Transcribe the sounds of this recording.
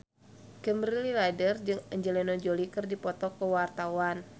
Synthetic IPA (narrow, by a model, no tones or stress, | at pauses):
kəmɾililadərd͡ʒɨŋɛɲd͡ʒɛlɛnɔd͡ʒolikɨrdipɔt̪ɔkəwart̪awan